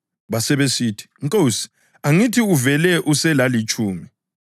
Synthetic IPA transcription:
βasɛβesiːtʰi̥ŋkʼowsi̥ | aŋitʰiuvɛlɛʔusɛlalit͡ʃʼuːmi

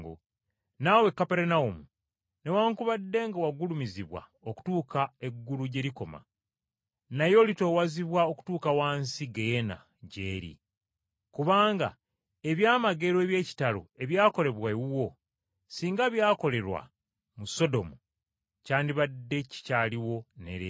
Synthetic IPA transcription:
ɡo̰ | nawe̞kːape̞ɾenaumu | ne̞waːŋkuβadːe̞ŋɡawaɡulumiziβwa̰oku̥tuːkae̞ɡːuluɟe̞ɾiko̞ma̰ | najo̞ːlito̞ːwaziβwao̞ku̥tuːkawaːnsiɡejena̰ | ɟeːɾḭ | kuβaːŋɡa̰ | e̞βjaːmaɡe̞ɾoeːβje̞ːci̥talo̰e̞βjaːko̞le̞βwawuwo̞ | siːŋɡaβjaːko̞le̞ɾwa̰ | muso̞do̞mu | caːndiβadːe̞ci̥caːliwo̞ne̞̰ɾe

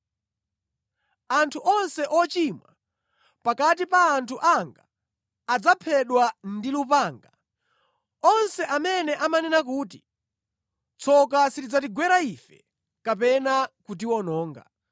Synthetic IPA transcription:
antʰuʔɔnsɛʔɔt͡ʃimwa̰ | pakatipaːntʰuʔaŋɡaː | d͡zapʰɛɗwandilupaːŋɡa | ɔnsɛʔamɛnɛʔamanɛnak̬uːt̬i | t͡sʰɔkasitid͡zatiɡwɛɾaifɛ̰ | kapɛnakut̬iwɔnɔːŋɡa̰

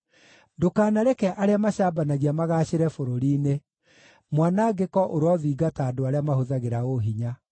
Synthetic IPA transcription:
dokaːnaɾɛkɛʔaɾeamaɕaːbanaɣiamaɣaːɕeɾɛfoɾoɾiːne | mwanaɡekɔʔoɾwɔðiːɡataːdoaɾeamaɦoðaɣeɾaoɦiɲa

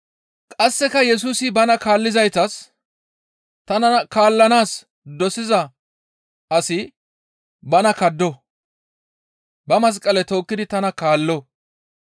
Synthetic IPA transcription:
kʼɐsːɛkɐjɛs̬uːsɪbɐnɐkaːlːɪzɐjt̪ɐs | t̪ɐnɐkaːlːɐnaːs | d̪ɔsɪzɐ | ɐsɪ | bɐnɐkɐd̪ːɔ | bɐmɐs̬kʼɐlɛt̪o̞ːkːɪd̪ɪt̪ɐnɐkaːlːɔ

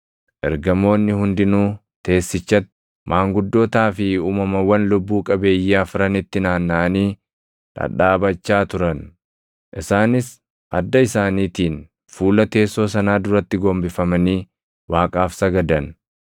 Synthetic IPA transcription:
ʔɛ̰ɾɡɐmo̞ːnːɪhʊnd̪ɪnuː | t̪e̞ːsːɪt͡ʃːɐt̪ːɪ̥ | mʔaːŋɡʊd̪ːo̞ːt̪aːfɪuːmɐmɐwɐnlʊbːuːkʼɐbe̞ːjːɪɐfɾɐnɪt̪ːɪnaːnːɐʔɐniː | ᶑ̪ɐ̰ᶑaːbɐt͡ʃːaːt̪ʊɾɐn | ʔɪsaːnɪs | ʔɐd̪ːɐɪsaːniːt̪iːn | fuːlɐt̪e̞ːsːo̞ːs̬ɐnaːd̪ʊɾɐt̪ːɪɡoːmbɪfɐmɐniː | waːkʼaːfsɐɡɐd̪ɐn

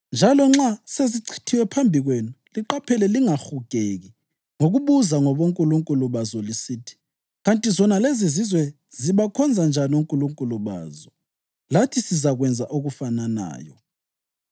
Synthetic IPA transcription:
nd͡ʒʱalɔŋ͡ǁaseziǀʰi̥tʰiwɛpʰambʱiɣwenuliǃapʰɛlɛliŋaxuɡ̥ʱeɣi | ŋoɣuɓuzaŋɔβoŋkʼuluŋkʼuluɓazɔlisiːtʰi̥ | ɣantʼizɔnalezizizwɛ | ziβakʰɔnd͡zʱand͡ʒʱanuŋkʼuluŋkʼuluɓa̰ːzɔ | latʰisizaɣwɛnd͡zʱaʔoɣufanana̰ːjɔ̰

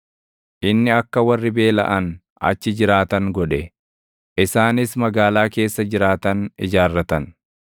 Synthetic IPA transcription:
ʔɪnːɪɐkːɐwɐrːɪbe̞ːlɐ̰ʔɐn | ɐ̰t͡ʃːɪd͡ʒɪɾaːt̪ɐŋɡɔᶑɛ | ʔɪsaːnɪsmɐɡaːlaːke̞ːsːɐd͡ʒɪɾaːt̪ɐnɪd͡ʒaːrːɐt̪ɐn

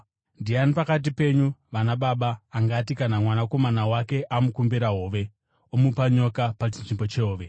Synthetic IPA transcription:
ndianipakat̬ipe̞ɲuʋanaɓaɓaːŋɡatikanamwanako̞manawake̞ʔamukumbiɾaɦo̞ːʋe̞ | omupaɲo̞kapat͡ʃinʐimbo̞t͡ʃeɦoːʋe̞

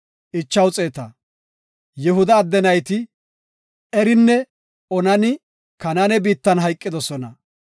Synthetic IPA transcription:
ʔɪt͡ʃːɐwt͡sʼeːt̪ɐ | jɛɦʊd̪ɐːd̪ːɛnɐjt̪ɪ | ɛɾɪnːɛ | ɔnɐnɪ | kɐnɐnɛbiːt̪ːɐnɦɐjkʼːɪd̪ɔsɔnɐ

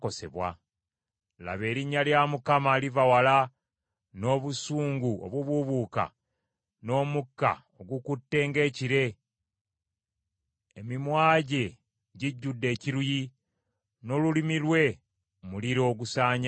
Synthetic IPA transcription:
ko̞se̞̰βwa̰ | la̰βe̞ːɾiɲːaljamukamaːlivawala | no̞ːβusuːŋɡuo̞̰βwuβuβuːka̰ | no̞ːmukːa̰ | oɡukutːe̞ːŋɡe̞ːciɾe̞ | emimwaːɟe̞ | ɟiɟːudːe̞ːciɾuji | no̞ːlulimilwe̞ | muliɾo̞ːɡusaːɲ

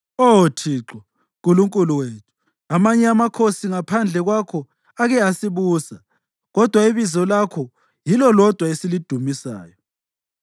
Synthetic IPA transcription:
otʰiːǁɔ | kʼuluŋkʼuluweːtʰu̥ | amaɲɛamakʰosiŋapʰand͡ɮʱɛɣwakʰɔ | aɣɛasiβuːsa | ɣɔd̥ʱwaiβizɔlakʰɔ | jilɔlɔd̥ʱwaesilid̥ʱumisa̰ːjɔ

